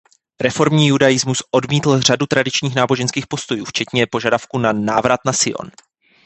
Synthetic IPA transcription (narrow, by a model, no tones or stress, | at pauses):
ɾɛfo̞ɾmɲiːjudajɪzmusʔo̞dmiːt̪l̩r̝adut̪ɾadɪt͡ʃɲiːxnaːbo̞ʒɛnskiːxpo̞st̪o̞juːft͡ʃɛt̪ɲɛpo̞ʒadafkunanaːvɾat̪nasɪʔo̰n